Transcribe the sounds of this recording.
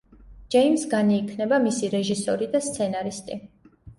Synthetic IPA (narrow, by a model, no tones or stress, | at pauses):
d͡ʒɛjmsɡaniːkʰnɛbamisiɾɛʒisɔɾid̪ast̪sʰɛnaɾist̪ʼi